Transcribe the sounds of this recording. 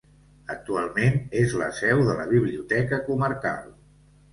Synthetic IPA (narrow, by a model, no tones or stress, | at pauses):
ək̚t̪ualˠmenezlə̰sɛwðələβ̞iβ̞liut̪ɛkəkuməɾka̰lˠ